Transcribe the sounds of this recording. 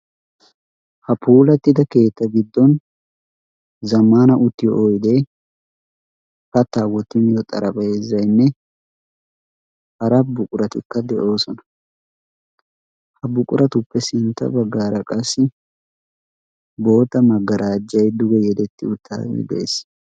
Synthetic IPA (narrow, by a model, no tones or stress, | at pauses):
hɐpuːlɐt̪ːɪd̪ɐke̞ːt̪ːɐɡɪd̪ːɔn | zɐmaːnɐʔʊt̪ːɪjɔʔojd̪e | kɐt̪ːaːwɔt̪ːɪmɪjɔt̪ʼɐɾʔɐbʼɐezːɐjnːɛ | hɐɾɐbʊkʼʊɾɐt̪ɪkːɐd̪ɛʔo̞ːsɔnɐ̥ | hɐbʊkʼʊɾɐt̪ʊpːɛsɪnt̪ːɐ̰bɐɡːaːɾɐkʼɐsːɪ | bo̞ːt̪ːɐmɐɡːɐɾʔaːd͡ʒːɐjd̪ʊɡɛjɛd̪ɛt̪ːɪʊt̪ʰːa̰ːɪ̰d̪ḛːs